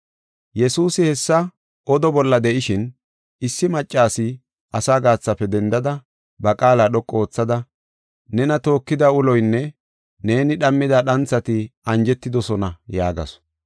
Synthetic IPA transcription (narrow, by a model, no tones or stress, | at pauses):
jɛsuːsɪhɛsːɐ | ɔd̪ɔbɔlːɐd̪ɛʔɪʃɪn | ɪsːɪmɐt͡ʃʼːaːsɪ | ʔɐsaːɡaːt͡sːɐfːɛd̪ɛnd̪ɐd̪ɐ | bɐkʼaːlaːɗɔkʼːo̞ːt͡sːɐd̪ɐ | nɛnɐt̪o̞ːkːɪd̪ɐʊlɔjnːɛ | ne̞ːnɪɗɐmːɪd̪ɐɗɐnt͡sːɐt̪ɪɐnd͡ʒɛt̪ːɪd̪ɔsɔnɐjaːɡɐ̰sɔ̥